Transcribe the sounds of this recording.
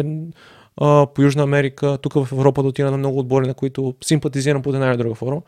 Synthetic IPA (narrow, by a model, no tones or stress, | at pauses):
pojuʒnəːmɛɾikət̪ukəvɐfɛvɾɔpəd̪ot̪iɾɐnɐmnɔɡʊːd̪̚bɔɾinɐkoit̪ʊsimpɐt̪iziɾɐmpot̪ɛnajnɐd̪ɾuɡəfɔɾmə